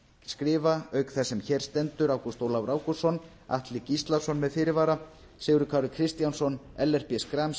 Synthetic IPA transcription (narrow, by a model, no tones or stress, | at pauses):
skɾɪːvaœɥkθɛsːɛmçɛːɾ̥st̪ɛnt̪ʏɾawkust̪owlawɾʔaːwkusɔn | a̰ht̪lɪcist̪lḁsɔnmɛðfɪɾɪɾvaːɾa | seːɣɾʏkʰaːɾʏkʰɾɪst̪jansɔnɛlːɛr̥pjɛskɾams